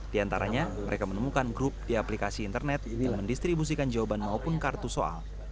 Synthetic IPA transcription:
d̥iant̪a̰ɾa̰ɲaməɾekamənəmukanɡɾʊp̚diaplikasiːnt̪ərnɛt̪̚danməndist̪ɾibus̬ikand͡ʒawabanmaupʊnkart̪usoa̰l

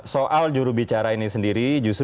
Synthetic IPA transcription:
soʔald͡ʒuɾubit͡ʃaɾainisəndiɾid͡ʒus

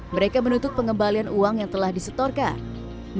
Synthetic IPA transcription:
məɾekamənut̪ʊt̪̚pəŋɡəmbalianuaŋjaŋt̪əlahdisət̪ɔrkan | m

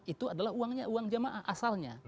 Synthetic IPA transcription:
it̪uadalaɦuaŋɲauaŋd͡ʒamaʔahʔasalɲa̰

